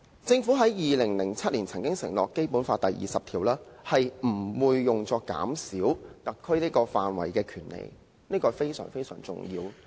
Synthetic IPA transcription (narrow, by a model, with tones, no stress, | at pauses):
t͡sɪ˧ŋfu˨˥ɦɐ˨˥jjiː˨lɪ˨˩ŋlɪ˨˩ŋt͡sʰɐ˥t̚liː˨˩nt͡sʰɐ˨˩ŋkɪ˥ŋsɪ˨˩ŋlɔ̰ː˨˩kːe˥jpu˨˥nfaː˧t̚t̪ɐ˨jjḭː˨sɐ˨pt̪ʰiː˨˩wlaː˥hɐ˨jm̩˨˩wuː˧jːʊ˨ŋt͡sɔː˧kːa̰ː˨˥msiː˨˥wt̪ɐ˨t̚kʰːɵ˥ɥniː˥kɔː˧faː˨nwɐ̰˨˩jkɛː˧kʰyː˨˩nlḛ˨˩j | niː˥kɔː˧fe˥jsœ̰ː˨˩ŋfe˥jsœː˨˩ŋt͡sʊ̰˨ŋjiː˧w